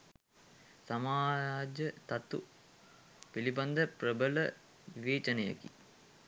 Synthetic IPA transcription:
samaːɾaːd͡ʒət̪at̪ṵ | piliband̪əprəbələ | ʋiʋeːt͡ʃənəjə̰kḭ

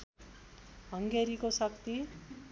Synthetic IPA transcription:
ɦʌŋɡeɾikosʌkt̪i

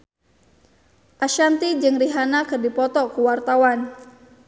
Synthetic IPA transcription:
ʔaʃant̪id͡ʒɨŋriɦanakɨrdipɔt̪ɔkuwart̪awan

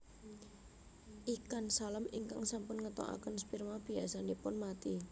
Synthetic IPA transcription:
ʔikansalamiŋka̰ŋsampʊnŋət̪o̰ʔa̰kənspirmab̥iasanipʊnmat̪i

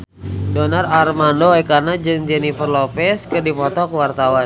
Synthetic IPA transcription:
dɔnararmandoɛkanad͡ʒɨŋd͡ʒɛnifərlɔpɛskɨrdipɔt̪ɔkwart̪awan

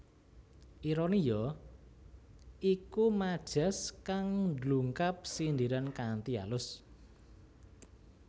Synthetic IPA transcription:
ʔiɾɔnijɔ | ʔikumad̥ʒ̥a̤skaŋndluŋkap̚sind̪iɾankant̪ia̰lʊs

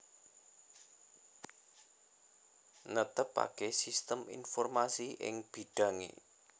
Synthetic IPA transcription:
nət̪əpa̰kesist̪əmḭnfɔrmasiʔɪ̰ŋb̥i̤ɖ̥ä̤ŋḛ

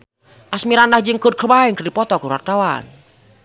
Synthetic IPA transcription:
ʔasmiɾanahd͡ʒɨŋkot̚kʰəbaiŋkəɾipɔt̪ɔkuɾuart̪awa̰n

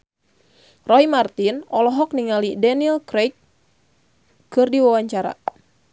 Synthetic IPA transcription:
rɔjmart̪inɔlɔɦɔk̚niŋalidaniɛlkɾek | ɨrdiwawaɲt͡ʃaɾa̰

